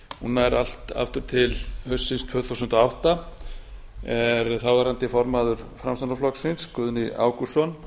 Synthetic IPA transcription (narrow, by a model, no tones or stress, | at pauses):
hunːaɛɾal̥t̪a̰ft̪ʏɾ̥t̪ʰɪlhœsːɪnst̪ʰv̥œːθuwsʏnt̪ɔawht̪a | ɛɾθawvaɾant̪ɪfɔɾmaðʏɾ̥fɾamst̪anaflɔksɪnskʏːðʏnia̰ːwkusɔn